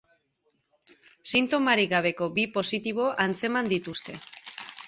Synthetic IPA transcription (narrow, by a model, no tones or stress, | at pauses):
sint̪o̞maɾiɣaβ̞e̞ko̞bipo̞sit̪iβ̞o̞ʔant͡se̞mand̪it̪ust̪e̞